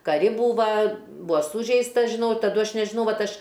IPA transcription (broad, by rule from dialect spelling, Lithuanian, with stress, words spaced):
kɐˈrʲɪ ˈbuːʋɐ ˈbʊɐ ˈsuːʒʲɛɪstɐs ʒʲɪˈnɐʊ ɪr tɐˈdʊ ˈɐʃ nʲɛʒʲɪˈnɐʊ ˈʋɐt ˈɐʃ